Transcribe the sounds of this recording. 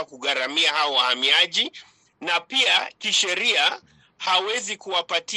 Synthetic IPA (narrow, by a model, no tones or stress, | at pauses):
akuɣaɾamiahaɔwahamiaʄi | napiakiʃɛɾia | hawɛzikuwapati